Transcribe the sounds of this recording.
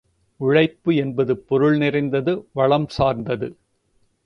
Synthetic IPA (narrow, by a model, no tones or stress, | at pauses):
ʊɻɐɪpːɯɛnbɐðɯpːɔɾɯɭnɪrɐɪnd̪ɐðɯʋɐɭɐmsaːɾnd̪ɐðɯ